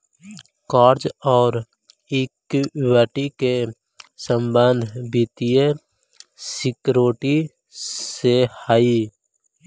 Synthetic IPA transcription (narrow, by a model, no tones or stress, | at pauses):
kaːɾd͡ʒɔːɾ | ɪkwaːʈike | sə̃mbənd̪ʱbit̪ije | sɪkɾoːʈi | sehaːi